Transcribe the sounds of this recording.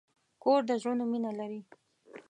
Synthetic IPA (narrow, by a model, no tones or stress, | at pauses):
koɾd̪əʒonominalaɾi